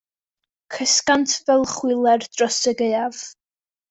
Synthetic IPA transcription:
kʰəskantʰvɛlˠχwɪlˠɛrd̥rɔsəɡejav

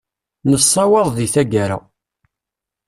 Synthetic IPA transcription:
nəsˤːɑwɑɾˤðiθæɡaɾa̰

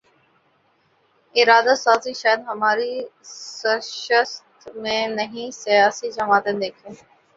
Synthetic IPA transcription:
ɪɾaːd̪asaːziʃaːjəd̪ɦɐmaːɾisəʃəst̪mẽnəɦĩsijaːsid͡ʒɐmaːt̪ẽnd̪eːkʰẽː

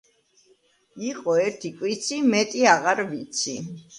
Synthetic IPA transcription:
iqʼɔɛɾt̪ʰikʼwit̪sʰimɛt̪ʼiaʁaɾvit̪sʰi

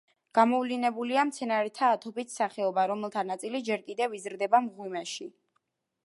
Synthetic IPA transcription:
ɡ̥amɔvlinɛbuliamt̪sʰɛnaɾɛt̪ʰaːt̪ʰɔpʼit̪saχɛɔbaɾɔmɛlˠt̪ʰanat̪sʼilid͡ʒɛɾkʼid̪ɛvizɾd̪ɛbamʁwimɛʃi

